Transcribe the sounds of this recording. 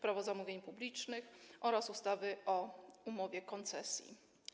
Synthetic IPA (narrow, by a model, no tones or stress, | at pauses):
pɾavɔzamuvʲjeɲpublʲit͡ʂnɘxʔɔɾasust̪avɘʔɔumɔvʲjɛkɔnt̪sɛsʲjḭ